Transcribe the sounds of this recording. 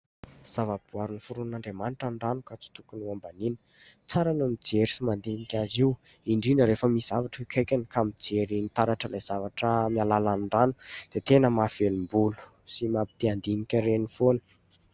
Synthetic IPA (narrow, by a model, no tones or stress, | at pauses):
z̥avabuaɾunifuɾunaɳɖ͡ʐemanʈ͡ʂaɳɖ͡ʐanukat͡si̥t̪ukunuambaninə̥ | t͡saɾanamid͡zeɾisimand̪inikʲaziw | iɳɖ͡ʐinəɾefəmiszavaʈ͡ʂəikʰʲajkʲanikamid͡zeɾinit̪aɾaʈ͡ʂəlajz̥avaʈ͡ʂəmialalanɳɖ͡ʐanu̥d̪̥et̪enəmafelimbulu̥ | simapid̪̥eand̪inikʲəɾenifonə̥